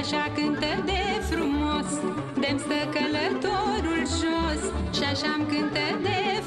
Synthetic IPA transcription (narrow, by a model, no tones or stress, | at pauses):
aʃakɨnt̪əd̪efɾumos | d̪emst̪əkələt̪oɾulʒosʃiaʃaːmkɨnt̪əd̪e